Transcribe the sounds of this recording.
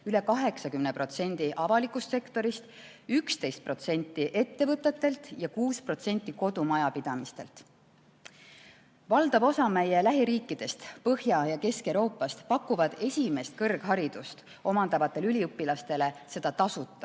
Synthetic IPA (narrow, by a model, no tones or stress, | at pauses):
yle̞kɑɦe̞ksɑkymnepro̞t̪se̞nʲd̪̥iʔɑvɑlikˑust̪se̞kt̪o̞ɾist̪ | ykst̪e̞jst̪̚pro̞t̪se̞nʲt̪ːˑiʔe̞t̪ːe̞vɤt̪ːˑet̪ːˑe̞lt̪ˑjɑkuːspro̞t̪se̞nʲt̪ːˑiko̞d̪umɑjɑpid̪̥ɑmist̪e̞lt̪ | vɑld̪̥ɑbo̞sɑmæje̞læɦiɾiːkːˑid̪̥e̞st̪pɤhjɑjɑke̞skewɾo̞ːpːˑɑst̪pɑkːˑuvɑd̪̥e̞sʲime̞st̪̚kɤrɡ̥ɦɑɾid̪̥ust̪ | o̞mɑnd̪̥ɑvɑt̪ːˑe̞lylʲiɤpːˑilɑst̪e̞le̞se̞d̪̥ɑt̪ɑsut̪ːˑɑ